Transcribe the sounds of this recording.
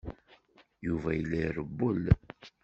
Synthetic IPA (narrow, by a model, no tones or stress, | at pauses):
juvæjəlːiɾəbːul